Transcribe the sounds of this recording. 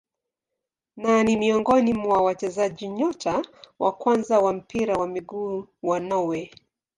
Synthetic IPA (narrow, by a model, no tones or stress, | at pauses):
nanimiɔŋɡɔnimwawat͡ʃɛzaʄiɲɔtʰawʔa̰kwanzawam̩piɾawamiɡuːwanɔwɛ